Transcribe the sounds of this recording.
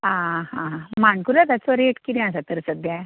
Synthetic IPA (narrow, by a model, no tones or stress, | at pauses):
ãhãɦãmaɳkulat̪at͡sɔɾeʈkid̪ɛ̃asat̪əɾsəd̪ja